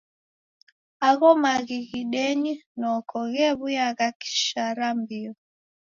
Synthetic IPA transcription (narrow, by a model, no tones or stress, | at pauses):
aɣɔmaɣiɣiɗɛɲinɔkʰɔɣɛβujaɣaki̥ʃaɾambiɔ